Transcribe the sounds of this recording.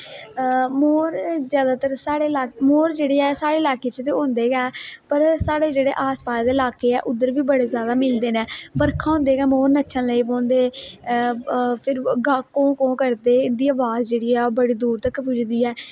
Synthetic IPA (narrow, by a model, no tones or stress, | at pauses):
moːɾzjaːd̪aːt̪əɾsaːɽeːlaːmoːɾd͡ʒeːɽeːɛːsaːɽeːɪlaːkeːt͡ʃt̪̬eːõːnd̪eːɡɛːpəɾsaːɽeːd͡ʒeːɽḛːʔaːspaːsd̪eːɪlaːkeːɛ̰ːʔʊd̪əɾʋiːbəɽeːzjaːd̪aːmɪld̪eːnɛːpəɾkʰãːõːnd̪eːɡɛːmoːɾnətːʃʰə̃ːləiːpõːnd̪eː | pʰɪɾɡaːkõːkõːkəɾd̪eːɪnd̪iːaːʋaːzd͡ʒeːɽiːɛːoːbəɽiːd̪uːɾt̪əkpʊd͡ʒd̪iːɛː